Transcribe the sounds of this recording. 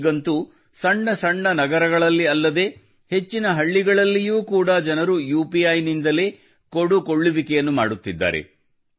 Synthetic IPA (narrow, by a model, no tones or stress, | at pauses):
ɡɐnt̪u | sɐɳːɐsɐɳːɐnɐɡɐɾɐɡɐɭɐlːiɐlːɐd̪e̞ː | he̞t͡ʃːinɐɦɐɭːiɡɐɭɐlːijuːkuːɽɐd͡ʒɐnɐɾujuːpiɐjnind̪ɐle̞ː | koɽukoɭːuʋikɛjɐnːuma̰ːɽut̪ːid̪ːa̰ːɾḛ